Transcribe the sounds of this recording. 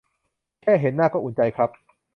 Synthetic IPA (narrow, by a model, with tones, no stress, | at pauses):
kʰɛː˥˩ɦe˨˦nːaː˥˩kɔː˥˩ʔu˩˦nt͡ɕa˧jkʰɾa˦˥p̚